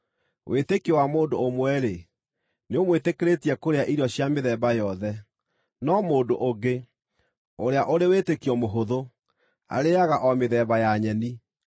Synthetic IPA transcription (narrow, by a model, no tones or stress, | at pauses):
wʔetekiwamoːndoomwɛɾe | neomwetekeɾetiɛkoɾeaʔiɾɔɕjameðɛbajɔðɛ | nɔmoːndoʔoɡe | oɾeaʔoɾewetekiɔmoɦoðo | a̰ɾejaɣaʔɔmeðɛβajaɲɛni